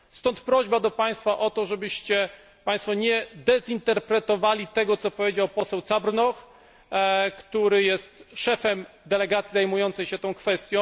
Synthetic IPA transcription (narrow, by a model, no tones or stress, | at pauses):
st̪ɔnt̪pɾɔʑbad̪ɔpaj̃st̪faʔɔt̪ɔʐɛbɘɕt͡ɕɛ | paj̃st̪fɔɲɛd̪ɛzint̪ɛɾpɾɛt̪ɔvalʲit̪ɛɡɔt̪sɔpɔvʲed͡ʑawpɔsɛwt̪sabɾnɔx | kt̪uɾɘjɛst̪ʂɛfɛmd̪ɛlɛɡat̪sʲizajmujɔnt̪sɛjɕɛt̪ɔ̃w̃kfɛst̪ʲjɔ̃